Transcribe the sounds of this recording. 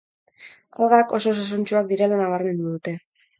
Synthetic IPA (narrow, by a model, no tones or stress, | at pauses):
alɣako̞so̞s̬as̬ont͡ʃuak̚d̪iɾe̞lanaβ̞aɾme̞nd̪uðut̪e̞